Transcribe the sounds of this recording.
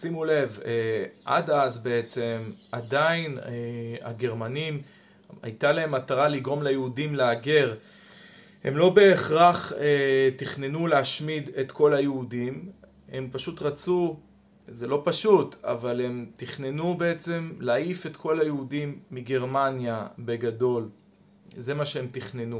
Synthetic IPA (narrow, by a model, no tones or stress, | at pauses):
simule̞veʔa̰dazbe̞et͡se̞madainea̰ɡe̞ʁmanim | a̰jtalaemataʁaliɡʁo̞mlajeudimleaɡe̞ʁ | he̞̰mlo̞be̞ːχʁaχetiχne̞nuleaʃmidet̪ko̞lajeudim | he̞mpaʃutʁat͡su | ze̞lo̞paʃuta̰vale̞mtiχne̞nube̞et͡se̞mlaaife̞tkʰo̞lajeudimːiɡe̞ʁmanjabe̞ɡado̞l | ze̞maʃeemt̪iχnenu